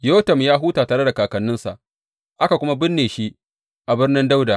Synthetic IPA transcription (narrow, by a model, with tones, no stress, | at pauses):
joː˦tɐ˨mjaː˦ɦuː˦taː˨taː˨ɽe˦da˨kaː˨kɐ˨nːɪ˦nsa̰˨ʔ | ʔa˦ka˨kʷʊ˦ma˦bɪ˦nːeː˨ʃi˦ʔ | ʔa˨bɪ˦rnɪ˦nda˦wda˨